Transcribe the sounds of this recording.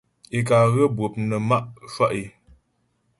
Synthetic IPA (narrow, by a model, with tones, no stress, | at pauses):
i˨k̬a˨ɣə˦bwə˨p̚nə˨ma˦ʔʃwa˦ʔi˨